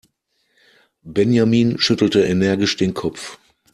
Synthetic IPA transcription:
bɛnjamiːnʃʏtl̩təʔenɛɐɡɪʃd̥eːnkʰɔpp͡f

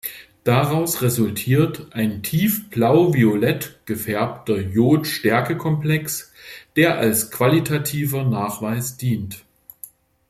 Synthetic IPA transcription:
d̥aʁaʊsʁezʊltʰiːɐtʔaɪntʰiːfb̥laʊviolɛtɡ̥əfɛɐptɐjoːtʃtɛɐkəkʰɔmplɛksd̥eːɐʔalskv̥alitʰatʰiːvɐnaːχv̥aɪsd̥iːnt

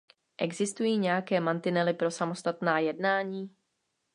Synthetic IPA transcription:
ʔɛɡzɪst̪ujiːɲɛjakɛːmant̪ɪnɛlɪpɾo̞samo̞st̪at̪naːjɛdnaːɲiː

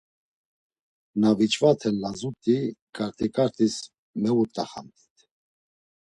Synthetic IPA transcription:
navit͡ʃʼvat̪ʰɛnlazut̪ʼikʼaɾt̪ʰʼikʼaɾt̪ʰʼis | mɛwut̪ʼaχa̰nt̪ʰi̥t̪ʰ

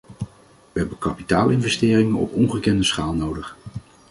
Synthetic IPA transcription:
ʋəɦɛbəkɑpitaːlˠɪnvɛstɪːrɪŋənɔ̰pɔnχəkɛndəsχaːlˠnowdəχ

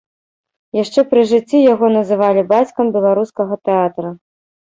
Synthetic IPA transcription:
jaʂt͡ʂɛpɾɨʐɨt͡sʲːijaɣɔnɐzɨvalʲibat͡sʲkɐmbʲɛlˠaɾuskɐɣɐt̪ɛat̪ɾɐ

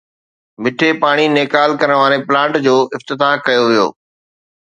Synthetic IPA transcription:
mɪʈʰepaːɽ̃ineːkaːlkɐɾəɽ̃ʋaːɾeplãːɳʈd͡ʑoːʔɪft̪ɪt̪aːɦkɐjoʋijo̰ː

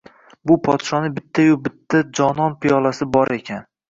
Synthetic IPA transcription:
bʊpʰɒt̪ʃɒnɪbɪt̪ʰːajʊbɪt̪ʰːad͡ʒɒnɒnpʰijɒlˠasɪbɒɾʔe̞kʲʰan

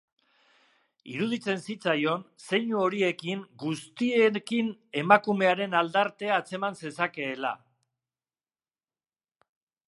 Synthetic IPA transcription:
ḭɾuð̞it͡se̞nsit͡sajo̞nse̞ɲuo̞ɾie̞kiŋɡust̪ie̞kine̞makume̞aɾe̞nald̪aɾt̪e̞aːt͡se̞manse̞sake̞ːla̰

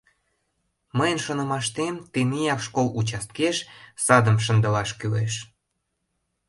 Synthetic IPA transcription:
məjənʃonə̆mɑʃt̪emt̪enijɑkʃkolut͡ɕɑst̪̚keʃsɑd̪əmʃ̬ə̆nd̪ə̆lɑʃkyleʃ

